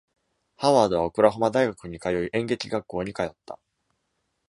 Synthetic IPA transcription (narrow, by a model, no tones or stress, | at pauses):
haβaːd̪o̞βaokɯ̟ɾaɦomad̪aiɡakɯ̟ɲ̟ikajo̞iʔẽ̞ŋɡe̞kʲiɡakːo̞ːɲ̟ikajo̞t̪ːa̰